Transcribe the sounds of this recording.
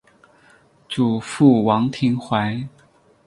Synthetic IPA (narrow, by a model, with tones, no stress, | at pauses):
ʈ͡ʂu˨˩fu˥˩wɑ˧˥ŋt̪ʰi˧˥ŋxwa˧˥ɪ